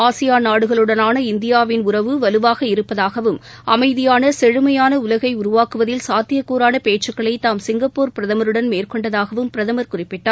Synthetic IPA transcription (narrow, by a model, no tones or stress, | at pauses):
aːsɪjaːnaːɽɯɣɐɭɯɽɐnaːnɐɪnd̪ɪjaːʋɪnʊrɐʋɯʋɐlɯʋaːɣɐɪɾɯpːɐðaːɣɐʋɯm | ɐmɐɪðɪjaːnɐsɛɻɯmɐjaːnɐʊlɐɣɐɪʊɾʊʋaːkɯʋɐðɪlsaːt̪ɪjɐkːuːɾaːnɐpeːt͡ʃːɯkːɐɭɐɪt̪ːaːmsɪŋɡɐpːoːɾpɪɾɐðɐmɐɾɯɽɐnmeːrkɔɳɖɐðaːɣɐʋɯmpɪɾɐðɐmɐɾkʊrɪpːɪʈːaːɾ